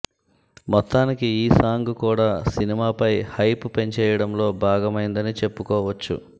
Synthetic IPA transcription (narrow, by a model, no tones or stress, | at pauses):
mɔt̪ːaːnikiiːsaːŋɡukuːɽaːsinimaːpɐjhɐjpupe̞ɲt͡ʃɛːjɐɽɐmlo̞ːbʱaːɡɐmɐjind̪ɐnit͡ʃe̞pːukɔːʋɐt͡ʃːṵ